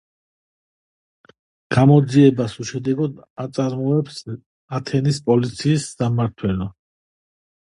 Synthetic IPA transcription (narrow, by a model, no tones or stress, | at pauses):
ɡ̥amɔd̪ziɛbasuʃɛd̪ɛɡɔd̪at̪sʼaɾmɔɛps | at̪ʰɛnispʼɔlit̪sʰiːsːamaɾt̪ʰwɛlɔ